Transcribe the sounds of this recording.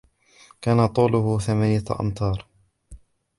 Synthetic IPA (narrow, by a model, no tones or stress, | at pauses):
kaːnat̪ˤuːlʊhʊθamaːnɪjaʔɑ̰nt̪ˤʰɑːɾˤ